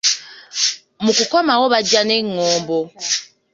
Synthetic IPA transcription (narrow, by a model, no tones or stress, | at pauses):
mukukɔmawɔβad͡ʒaneŋɔːmbɔ